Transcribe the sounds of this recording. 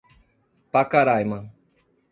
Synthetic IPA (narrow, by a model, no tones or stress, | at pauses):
pakaɾajmã